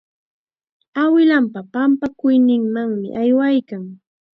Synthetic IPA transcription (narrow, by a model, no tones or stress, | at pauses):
awɪlampapampakʊjnɪŋmaŋmɪ̰ʔajwajkaŋ